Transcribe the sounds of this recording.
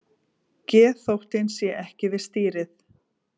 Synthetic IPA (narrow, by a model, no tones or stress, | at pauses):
cɛːθowht̪ɪnsjɛʔɛhcɪvɪðst̪iːɾɪθ